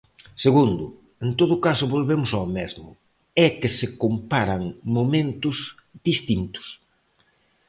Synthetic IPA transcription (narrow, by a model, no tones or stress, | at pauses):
seɣund̪ʊ | ent̪oðʊkasʊβolβemʊsaomɛzmʊ̰ | ɛkesekompaɾɐŋmomẽnt̪ʊz | ðist̪int̪ʊ̥s